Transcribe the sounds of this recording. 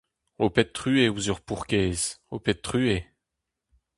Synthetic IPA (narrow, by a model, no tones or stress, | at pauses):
opɛt̪̚ːχyevuzyʁpuʁkʲeːzopɛt̚t̪χye